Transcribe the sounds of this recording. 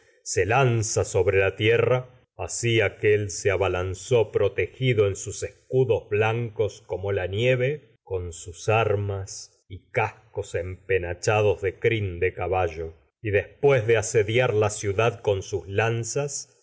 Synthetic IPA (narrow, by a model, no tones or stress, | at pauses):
selansaso̞βɾelat̪jera | asiakelseaβalansopɾot̪exiðoensusehkuðo̞zβlaŋkoskomo̞lanjeβe | ko̞nsusaɾmas | ikahkose̞mpenat͡ʃaðo̞zðe̞kɾind̪ekaβaʒo̞ | iðe̞hspwezðeaseðjaɾlasjuðaðko̞nsuzlansas